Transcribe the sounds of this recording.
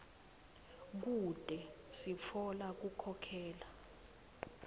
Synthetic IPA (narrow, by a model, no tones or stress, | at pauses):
k̬ud̥ʱʼɛsifʰɔlak̬ukʰɔkʰɛːla